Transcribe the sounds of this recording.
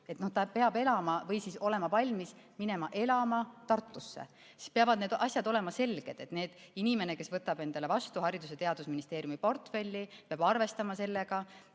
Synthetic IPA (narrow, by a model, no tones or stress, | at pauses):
et̪no̞ht̪ɑpe̞ɑbe̞lɑmɑvɤjsiso̞le̞mɑvɑlʲmismine̞mɑʔe̞lɑmɑt̪ɑrt̪ːˑusːḛ | si̥speɑvɑd̪ned̪ʔɑsʲjɑd̪ole̞mɑse̞lɡ̥e̞d̪̥e̞t̪neːd̪̥inime̞neke̞svɤt̪ːˑɑb̥e̞nd̪̥ɑle̞vɑst̪uhɑɾid̪uset̪eɑd̪̥usminist̪e̞ːɾjumipo̞rt̪fe̞lʲːipeɑb̥ɑrve̞st̪ɑmɑse̞lːe̞ɡ̥ɑ